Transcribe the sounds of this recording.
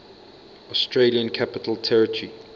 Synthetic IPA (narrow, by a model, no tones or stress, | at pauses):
ɔstʰɹeliə̃nkʰapɪtʰəltʰɛɹətʰəɹi